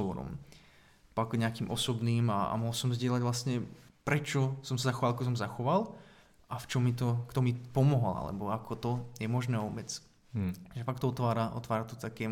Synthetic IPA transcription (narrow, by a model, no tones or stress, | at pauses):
ɔʋɔɾɔ̰m | pakɲɛakiːmʔɔsɔbniːmaa̰mɔɦlsɔmzɟɪɛlaɟʋlasɲɛpɾɛt͡ʃɔsɔmsazaxɔʋalakɔs̬ɔmzaxɔʋal | ʔaft͡ʃɔmːit̪ɔkt̪ɔmipɔmɔɦɔla̰lɛ̰bɔakʰɔt̪ɔjɛmɔʒnɛːɔbɛt͡s | ʒɛfakt̪ɔɔt̪ʋaːɾaʔɔ̰t̪ʋaːɾat̪ɔt̪akɛː